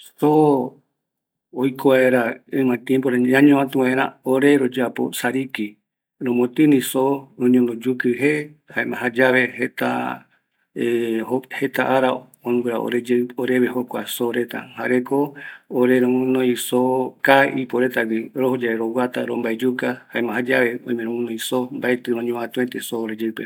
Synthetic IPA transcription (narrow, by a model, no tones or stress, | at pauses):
so | jkʰoaeɾaɨmãt̪jẽmpoɾaãɲõãt̪ũwaeɾa̰oɾe̞ɾod͡ʒapo̰saɾiki | ɾõmõt̪ɨnĩsoɾõɲõnd̪od͡ʒukɨɦeaemãɦad͡ʒaβehet̪a̰ | ehohet̪aʔaɾa | onũɾa̰o̰ɾed͡ʒeoɾeβehokʷasoɾet̪a̰haɾekooɾeɾõmũnõĩsokaipoɾet̪awiɾohod͡ʒaeɾowat̪aɾombaed͡ʒukahaẽmãhad͡ʒaβeõ̰ĩmẽɾõmũnõĩsombaet̪ɨɾõɲõβãt̪ũet̪esoːɾed͡ʒeɨpe